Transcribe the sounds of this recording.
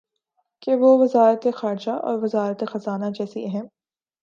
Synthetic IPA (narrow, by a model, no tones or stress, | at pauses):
keʋoʋɐzaːɾət̪exaːɾd͡ʒaʔɔ̰ːɾʋɐzaːɾət̪exɐzaːnad͡ʒɛːsiɛɦɛ̃m